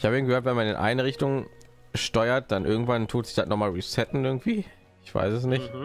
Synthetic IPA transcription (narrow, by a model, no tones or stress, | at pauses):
ʔɪçhaːbəiːnɡəhøːɐtvɛnmanɪ̰nʔa̰ɪnəʁɪçtʊŋʃtɔʏɐt̚d̥anʔɪɐɡŋ̩tv̥antʰuːtz̥ɪçd̥atnɔχmaːlʁisɛtn̩ʔɪɐɡŋ̩tv̥iː | ʔɪçv̥a̰ɪsɛs̬nɪçt